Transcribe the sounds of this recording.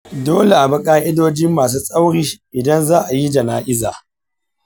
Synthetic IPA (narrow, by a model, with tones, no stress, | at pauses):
doː˦le˨ʔa˨bɐ˦kʼaː˦ʔɪ˦doː˦d͡ʒɪ˦mːaː˨s̬uː˦sʼa˦wɽiː˦ʔɪ˨dɐ˦nzaː˦ʔa˨ji˦d͡ʒɐ˨naː˦ʔɪ˦za̰ː˨